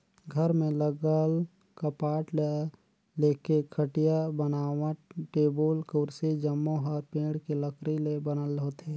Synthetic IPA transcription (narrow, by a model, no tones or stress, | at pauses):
ɡʱəɾmẽləɡəl | kəpaːʈ | leːkekʰəʈijabənaːwãʈeːbolkoɾsed͡ʒəmːoɦɔːɾpẽːɽkeləkʰɾilebənəlɦoːt̪e